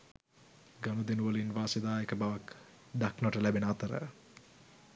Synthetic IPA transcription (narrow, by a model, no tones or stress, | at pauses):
ɡanud̪enuʋəlinʋaːsed̪aːekəbaʋak | d̪aknʋɐʈəlæbenəat̪əɾə̰